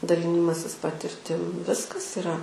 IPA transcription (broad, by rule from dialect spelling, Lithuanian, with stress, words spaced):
dɐˈlʲɪnʲɪmɐsʲɪs pɐtʲɪrʲˈtʲɪm ˈʋʲɪskɐs ɪˈrɐ